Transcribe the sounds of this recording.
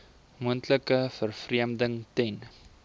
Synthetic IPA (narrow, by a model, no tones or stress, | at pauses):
muəntləkəfərfriəmdəŋtɛn